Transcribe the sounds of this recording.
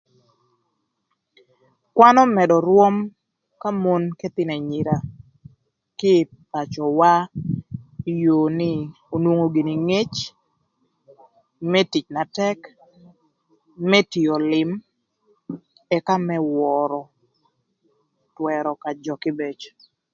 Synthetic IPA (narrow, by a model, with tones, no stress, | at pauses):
kwa˦nɔ˦mɛ˨dɔ˨ɾwo˦m | ka˦mo˦nke˦t̪ɪ˦nɛ˨ɲi˨ɾa˨ | kɪ˦ | pa˨t͡ʃɔ˨wa˦ | jo˨nɪ˦ | o˨nwo˦ŋo˨ɡi˨ni˨ŋe˦t͡ʃ | mɛ˦ti˨t͡ʃna˨tɛ˦k | mɛ˦ti˨o˨lɪ˨m | ɛ˦ka˦mɛ˦wɔ˨ɾɔ˨ | twɛ˨ɾɔ˨ka˨d͡ʒɔ˨kɪ˦be˨t͡ʃ